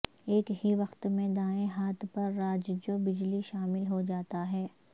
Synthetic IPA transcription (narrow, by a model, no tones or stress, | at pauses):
eːkɦiʋɐxt̪mẽd̪aːẽɦaːt̪pɐɾːaːd͡ʒd͡ʒobɪd͡ʒliʃaːmɪlɦod͡ʒaːt̪aɦɛː